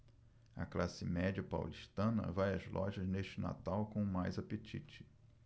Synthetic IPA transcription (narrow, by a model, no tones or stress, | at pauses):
ɐ̰klasɪmɛd͡ʒiɐpa̰wliʃt̪ɐ̃nɐ̰vajɐzlʔɔʒɐzneʃt͡ʃɪna̰t̪awkõʊmajzapet͡ʃit͡ʃɪ̥